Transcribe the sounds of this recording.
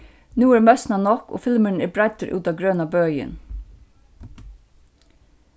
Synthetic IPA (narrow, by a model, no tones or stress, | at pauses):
nuːæːmœsn̩ɑːnɔko̰ːfɪlməɳ̩eːbɾæɪt̪əɾʔʉ̰ːt̪ɑɡɾøːnɑbœʏə̰n